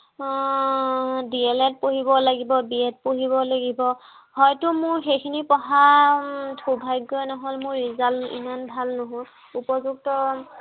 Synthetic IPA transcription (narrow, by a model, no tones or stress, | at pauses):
diɛlɛt̚poɦibɔlaɡibɔbiɛt̚poɦiβɔlaɡibɔ | hɔjtʊmʊɹxejkʰinipɔɦa | tʰubʱajɡojnɔɦɔlmʊɹːizalḭmanbʱalnʊɦo | upɔzuk̚tɔ